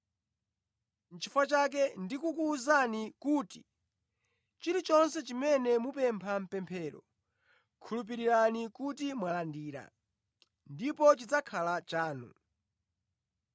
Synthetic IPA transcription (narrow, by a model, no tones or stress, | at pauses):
n̩t͡ʃʰifwat͡ʃak̬ɛndikukuːzanikuːti̥ | t͡ʃiɾit͡ʃɔnsɛt͡ʃimɛnɛmupɛmpʰam̩pɛmpʰɛːɾɔ̰ | kʰulup̬iɾiɾanikutimwalandiːɾa̰ | ndipɔt͡ʃid͡zakʰalat͡ʃaːnṵ